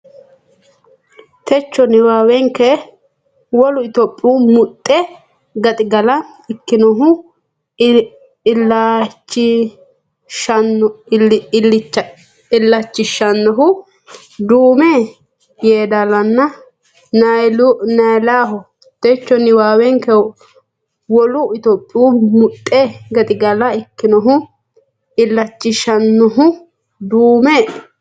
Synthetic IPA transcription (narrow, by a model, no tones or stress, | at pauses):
t̪ʰɛt͡ʃːɔnɪwaːwɛŋkɛ | wɔlʊɪt̪ɔpʼːuːmʊt̪ʼːɛ | ɡɐt̪ʼɪɡɐlɐ | ɪkːɪnɔɦʊ | lːat͡ʃːɪ | ʃɐn | lːɪ | ɪlːɐt͡ʃːɪʃɐnːɔɦʊ | d̪uːmɛ | jeːd̪ɐlɐnːɐ | nɐlʊnɐjlaːɦʊ | t̪ɛt͡ʃːɔnːɪwaːwɛŋkɛw | wɔlʊɪt̪oːpʼːɪjuːmʊt̪ʼːeɡɐt̪ʼɪɡɐlɐɪkːɪnɔɦʊ | ɪlːɐt͡ʃːɪʃɐnːɔɦʊ | d̪uːmɛ